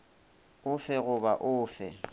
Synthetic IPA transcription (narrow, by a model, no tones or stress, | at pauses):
ʊfɛɣʊbaʔʊːfɛ